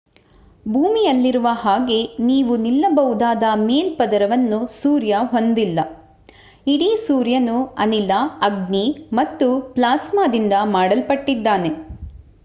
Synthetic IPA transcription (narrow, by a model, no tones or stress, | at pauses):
bʱuːmijɐlːiɾuʋɐɦaːɡe̞niːʋunilːɐbɐwud̪aːd̪ɐmeːlpɐd̪ɐɾɐʋɐnːusuːɾjɐɦo̞nd̪ilːɐ | iɽisuːɾjɐnuɐnilaɐɡnimɐt̪ːuplaːsmaːd̪ind̪ɐmaːɽɐlpɐʈːid̪ːaːne̞